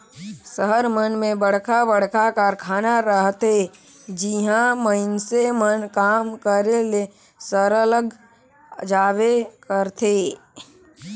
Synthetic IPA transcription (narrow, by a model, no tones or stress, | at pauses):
səɦəɾmənmẽbəɽ̤kʰabəɽ̤kʰakaɾkʰaːnaɾəɦt̪e | d͡ʒiɦãməɪnsemənkaːmkəɾele | səɾələɡ | d͡ʒaːwekəɾt̪ʰe